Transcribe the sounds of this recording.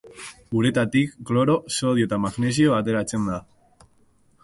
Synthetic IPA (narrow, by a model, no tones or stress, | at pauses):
uɾet̪at̪ikːloɾosoðjot̪amaɣnes̬joat̪elat͡send̪a